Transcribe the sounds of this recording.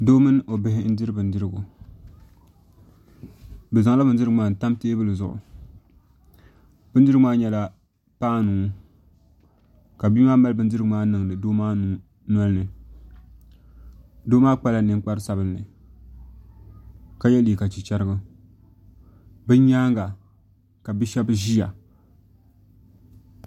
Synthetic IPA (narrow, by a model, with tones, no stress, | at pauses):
doː˦mɨ˦n˦ʔo˨bɪ˦hɪ˦n̩˦dɨ˦ɾɨ˦bɨ˨n˦dɨ˦ɾɨ˦ɡʊ˨ | bɨ˨za˨ŋ˦la˦bɨ˨n˦dɨ˦ɾɨ˦ɡɨ˦maː˨n̩˨ta˦mteː˦bɨ˦lɨ˨zʊ˨ʔʊ̰˨ | bɨ˦n˦dɾɡmaː˦ɲɛ˦la˦ | paː˦nuː˨˦ | ka˨biː˦maː˦ma˦lbɨ˦n˦dɨ˦ɾɨɡɨ˨maː˦nɨ˨ŋnɨ˨doː˦maː˦ | na˦lnɨ˨ | do˦maː˦k͡pa˦la˨nɨ˦ŋ˦k͡pa˦ɾɨ˦sa˦bɨ˦nːɨ˨ | ka˦jɛ˦li˨ka˨t͡ʃi˨t͡ʃɛ˦ɾɨ˦ɡɨ˦ | bɨ˦ɲaː˦ŋɡa˨ | ka˨bɨ˦ʃɛ˦bɨ˦ʒi˦ja̰˨